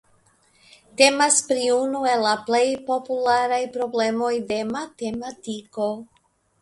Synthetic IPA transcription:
te̞maspɾiunue̞lːaple̞jpo̞pulaɾajpɾo̞ble̞mo̞jde̞mat̪e̞matiko̞

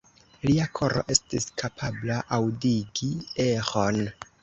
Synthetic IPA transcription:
liakʰo̞ɾo̞̰ʔe̞stiskʰapʰablaʔawdiɡiexo̞n

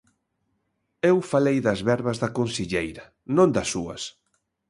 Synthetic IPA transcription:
ewfalejðɐzβɛɾβɐzðɐkonsiʎejɾɐ | nõnd̪ɐsuɐ̰s

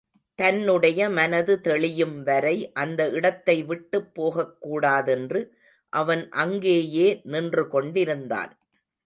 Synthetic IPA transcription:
t̪ɐnːɯɽɐjɐmɐnɐðɯt̪ɛɭɪjɯmʋɐɾɐɪʔɐnd̪ɐɪɽɐt̪ːɐɪʋɪʈːɯpːoːɣɐkːuːɽaːðɛndrɯ | ʔɐʋɐnʔɐŋɡeːjeːnɪndrɯkɔɳɖɪɾɯnd̪a̰ːn

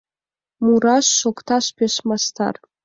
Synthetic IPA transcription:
muɾɑʃːokt̪ɑʃpeʃmast̪ɑ̰r

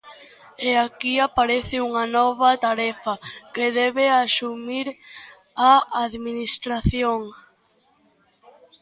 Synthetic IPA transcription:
eakiapaɾeθɪuŋɐnɔβɐt̪aɾɛfɐkeðɛβeasumiɾ | aaðminist̪ɾaθjoŋ

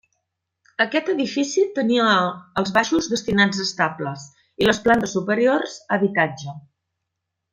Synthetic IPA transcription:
əkɛt̪əðifisit̪əniəːlˠzβaʃuzðəst̪inad͡zəst̪abləs | iləsplant̪əsːupəɾiorz̥əβit̪ad͡ʒə

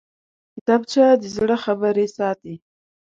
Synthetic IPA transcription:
kɪt̪ɑb̚t͡ʃad̪əzɽəxabəɾesɑt̪i

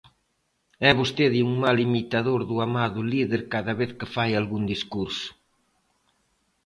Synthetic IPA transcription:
ɛβost̪eðiuŋmalimit̪aðoɾðuamaðʊliðeɾkaðɐβeθkɪfajalɣund̪iskuɾsʊ̥

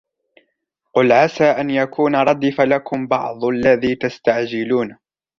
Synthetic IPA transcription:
qʊlʕasaːʔanjakuːnaɾˤɑd̪ːifalakʊmbɑ̰ʕðˤʔalːaðiːt̪ast̪aʕd͡ʒɪluːn

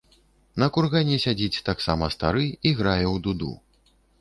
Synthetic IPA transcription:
nɐkurɣanʲisʲad͡zʲit͡sʲt̪aksamɐst̪a̰ɾɨiɣɾajɛwd̪ud̪ṵ

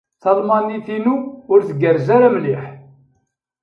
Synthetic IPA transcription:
θɑlmɑniθinuʊɾθəɡəɾzaɾamliħ

